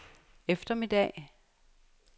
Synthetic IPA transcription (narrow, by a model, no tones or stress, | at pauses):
efd̥ɐmid̥ɛ̰ː